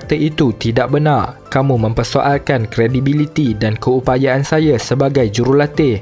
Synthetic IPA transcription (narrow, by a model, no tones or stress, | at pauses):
k̚t̪əʔit̪ut̪idaʔ̚bənarkamũmə̃mpərsoʔalkankɾedibilit̪idankəupajaːnsajasəbaɡajd͡ʒuɾʊhlat̪ɪh